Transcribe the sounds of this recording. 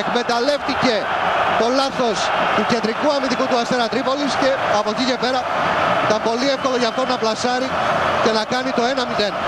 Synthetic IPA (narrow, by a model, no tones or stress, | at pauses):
ekme̞t̪ɐle̞ft̪ice̞t̪o̞lɐθo̞st̪uce̞nd̪ɾikuɐmit̪ikut̪uɐst̪eɾɐt̪ɾipo̞lisce̞ɐpo̞cice̞pe̞ɾɐit̪ɐmpo̞liefko̞lo̞ʝɐːft̪o̞nɐplɐsɐɾice̞nɐkɐnit̪o̞e̞nɐmiðe̞n